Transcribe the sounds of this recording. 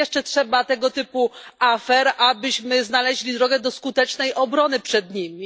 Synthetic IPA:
ɛʂt͡ʂɛtʂɛbat̪ɛɡɔt̪ɘpuʔafɛɾʔabɘɕmɘznalɛʑlʲid̪ɾɔɡɛd̪ɔskut̪ɛt͡ʂnɛjʔɔbɾɔnɘpʂɛd̪ɲimʲi

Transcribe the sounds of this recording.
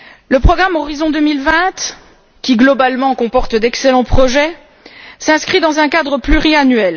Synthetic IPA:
ləpχɔɡʁamɔʁizɔ̃d̪ømilvɛ̃t̪ | kʲiɡlɔbalmɑ̃kɔ̃pɔʁt̪d̪ɛkselɑ̃pχɔʒɛ | sɛ̃skχid̪ɑ̃zɛ̃kad̪ʁəplyʁianɥɛl

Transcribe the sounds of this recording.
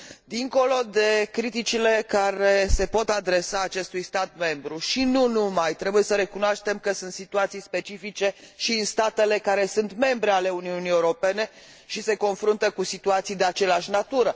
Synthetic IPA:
d̪iŋko̞lo̞d̪e̞kɾit̪it͡ʃile̞kaɾese̞po̞t̪ad̪ɾe̞saːt͡ʃe̞st̪ujst̪at̪̚me̞mbɾuʃinunumajt̪ɾe̞buje̞səɾe̞kunoaʃt̪e̞mkəsunt̪sit̪uat̪sijspe̞t͡ʃifit͡ʃe̞ʃiɨnst̪at̪e̞le̞kaɾe̞sunt̪me̞mbɾe̞ale̞uniunijeuɾo̞pe̞ne̞ | ʃise̞ko̞nfɾunt̪əkusit̪uat̪sijd̪e̞at͡ʃe̞leaʃnat̪uɾə

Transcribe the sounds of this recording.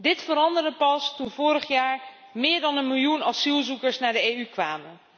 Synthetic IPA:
dɪtfəɾɑndərdəpɑstunvʊːɾəχjaːɹ | mɪːɹdɑnənmɪlˠjunɑsilˠzukəɹsnaːɹdəeːykʋaːmən

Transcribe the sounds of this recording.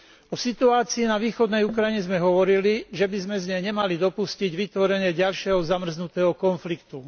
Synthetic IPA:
ɔsit̪uaːt͡siːnaʋiːxɔd̪nɛjukɾajɲɛzmɛɦɔʋɔɾiliʒɛbizmɛzɲɛɲɛmalid̪ɔpusciɟʋit̪ʋɔɾɛɲɪɛɟalʃɪɛɦɔzamr̩znut̪ɛːɦɔkɔnflikt̪u

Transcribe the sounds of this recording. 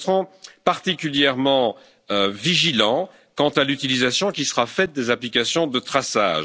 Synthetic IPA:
əʁɔ̃paʁt̪ikʲyljɛʁmɑ̃ | øviʒilɑ̃ | kɑ̃t̪alyt̪ilizasjɔ̃kʲisəʁafɛt̪̚d̪ezaplikasjɔ̃d̪ət̪χasa̰ːʒ

